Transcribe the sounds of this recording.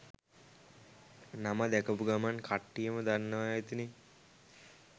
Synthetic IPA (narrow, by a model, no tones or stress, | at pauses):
namad̪ɛkəpuɡamankʰaʈːijəməd̪anːəʋaet̪ine